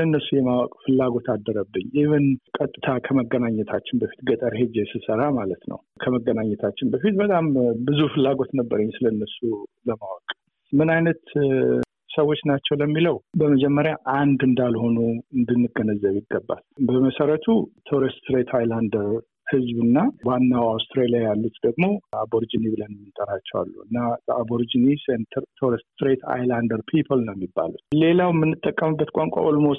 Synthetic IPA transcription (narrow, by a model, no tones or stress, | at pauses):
lənːəsːujɛmawɔkʼfɨlːaɡo̞t̪ʰad̪ːəɾəbːɨɲːɪhɨnkʼət̪ʼːɨt̪ʰakʰəməɡːənaɲːɛt̪ʰat͡ʃːɪnbəfi̥t̪ɡət̪ʼəɾhed͡ʒesɨsəɾamalət̪nə̰w | kʰəməɡənaɲːɛt̪ʰat͡ʃːɪnbəfit̪bət̪ʼambɨzufɨlːaɡo̞t̪nəbːəɾəɲːsɨləɨnːəsuləmawɔkʼ | mɨnajnət̪ | səwːot͡ʃːnat͡ʃːɛwləmːiləwbəməd͡ʒɛmːəɾjaʔand̪ɨnd̪alho̞nuɨnd̪ɨnːɨɡənəzːəβjɪɡːəbːa̰lbəməsəɾət̪ʰut̪ʰoɾest̪ɾet̪ʰajland̪əɾ | hɨzbɨnːawanːawawst̪ʰɾelijajalːut̪d̪əɡmo̞aboɾd͡ʒinibɨlənmːɨnt̪ʼəɾat͡ʃːɛwa̰lːṵɨ̰nːaaboɾd͡ʒinisent̪ʰəɾt̪ʰoɾɛst̪sɾet̪ʰa̰jland̪əɾpʰipʰəlnəwjɛmːibːa̰lut̪le̞lawmɨnːɨt̪ʼːəkʼːəmɨbːət̪kʷʼaŋkʷʼa̰ʔolmo